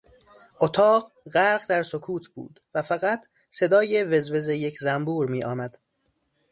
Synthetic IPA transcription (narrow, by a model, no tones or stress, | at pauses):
ʔot̪ʰɒːɢ | ɢæɾɢd̪æɾsokʰuːt̪ʰb̥ṵːd̪̥væfæɣæt̪ʰ | se̞d̪ɒːjevezve̞zejecʰzæmbuːɾmiːʔɒːmæd̪̥